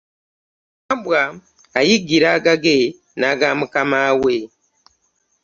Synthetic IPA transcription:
ambwaː | jiɡiɾaːɡaɡe | naːɡamukamaːwe

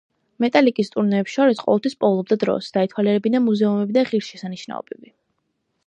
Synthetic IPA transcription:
mɛt̪ʼalikʼist̪ʼuɾnɛːpsʃɔɾisqʼɔ̰vɛlˠt̪ʰwispʼɔlˠɔb̚d̪ad̪ɾɔ̰sd̪̥ait̪ʰwalɛɾɛbinamuzɛumɛbid̪aʁiɾsʃɛsaniʃna̰ɔ̰bɛbi

